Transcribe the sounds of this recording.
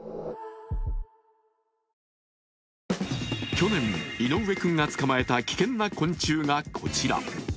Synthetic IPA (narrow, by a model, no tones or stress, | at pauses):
kʲo̞nẽ̞ŋino̞βe̞kɯ̟̃ŋɡat͡sɨ̥kamae̞t̪akʲi̥kẽ̞nːakõ̞ɲt͡ɕɨːŋakʰo̞̰t͡ɕiɾa̰